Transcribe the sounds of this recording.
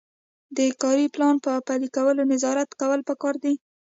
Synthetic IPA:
d̪əkɑɾiplɑnpəpalikawəlonɪzɑɾat̪kawəlpəkɑɾd̪i

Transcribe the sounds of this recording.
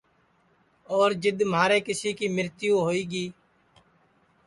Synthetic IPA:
oːɾd͡ʒɪd̪mɦaːɾeːkɪsiːkiːmɪɾt̪ɪjõːɦoːiːɡiː

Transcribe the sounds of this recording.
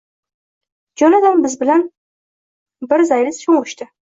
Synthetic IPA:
d͡ʒɒnad̪anbɪzbɪlan | bɪɾzajlɪsʃoŋʊʃt̪ɪ

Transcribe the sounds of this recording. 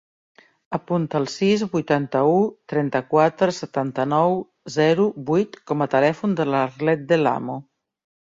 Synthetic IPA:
əpunt̪əːlˠsizβujt̪ant̪əut̪ɾɛnt̪əkwat̪ɾəsət̪ant̪ənɔw | zɛɾubujt̪kɔmət̪əlɛfund̪əlaɾlɛt̪̚d̪əla̰mu

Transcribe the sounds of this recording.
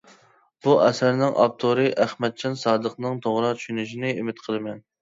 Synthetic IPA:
b̥uʔɛsæɾnɪŋʔɑ̰p̚t̪ʰoɾɨʔæχmɛt̪̚t͡ʃʰɑnsɑːd̪əqnɨŋt̪ʰoʁɾɑt͡ʃʰy̥ʃynyʃinɪimɪt̪qʰəlˠɨmɛn

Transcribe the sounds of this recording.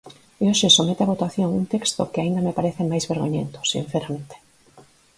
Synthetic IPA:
eoʃesomet̪eaβot̪aθjoŋunt̪ekst̪o̰kɪaĩnd̪amepaɾeθemajzβeɾɣoɲent̪o̥sḭ̃nθeɾamẽnt̪ʰe̥

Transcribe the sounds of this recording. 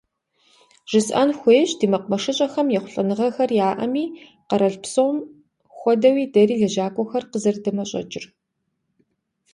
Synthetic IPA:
ʒ̥ɨsʔɐ̰nxʷeːɕdiːmɐqmɐʂɐɕʼɐxɐmjɛχʷʊɬʼɐnɨʁɐxɐrjaːʔɐ̰miː | qɐɾɐɬpsowm | xʷɔdɐwiːdɐriːɮɐʒaːkʷʼɔxɐrqəzɐrdɐmɐɕʼɐ̰d͡ʒʼɪr

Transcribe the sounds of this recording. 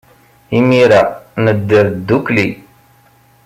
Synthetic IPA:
imiɾanəd̪ːəɾd̪ːukli

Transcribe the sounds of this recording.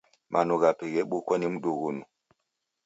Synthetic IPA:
mʔanuɣapeɣɛɓokwanim̩ɗoɣunu

